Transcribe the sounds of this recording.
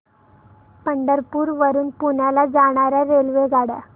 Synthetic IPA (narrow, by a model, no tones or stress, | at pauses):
pəɳɖ̪əɾpuːɾʋəɾuːnpunalad͡zaɳ̃aɾaɾelʋeɡaɽa̰